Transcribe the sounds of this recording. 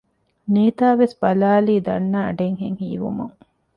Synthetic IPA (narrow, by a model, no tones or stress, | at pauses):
niːt̪aːʋesbɐlaːliːd̪ɐ̰nːa̰ːɖeŋhḛŋhiːʋṵmṵŋ